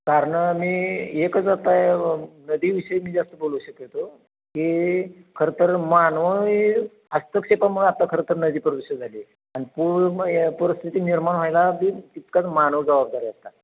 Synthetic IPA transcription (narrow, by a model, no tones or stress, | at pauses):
kaɾəɳmiːekət͡sd͡zat̪ajnəd̪iːʋiɕəjmiːd͡zast̪əboluɕəket̪o | kikʰəɾet̪əɾmanʋə | əst̪əkɕepam̤əɽũap̚t̪akʰəɾət̪əɾnəd̪iːpəɾʋiɕəd͡zʱaliː | añipupəɾəst̪ʰit̪iːniɾmaɳʋ̤ajlabiːit̪kat͡smanəʋəd͡zəʋab̚d̪aɾiast̪a